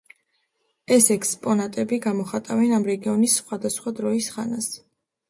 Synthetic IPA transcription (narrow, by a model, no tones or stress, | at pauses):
ɛsɛkʰspʼɔnat̪ʼɛbiɡamɔχat̪ʼavɛnamɾɛɡiɔnisːχwad̪asχwad̪ɾɔisχa̰nas